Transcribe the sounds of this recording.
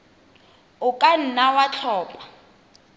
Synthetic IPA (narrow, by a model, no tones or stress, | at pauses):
ʊkʼan̩nawat͡ɬʰɔːpʼḁ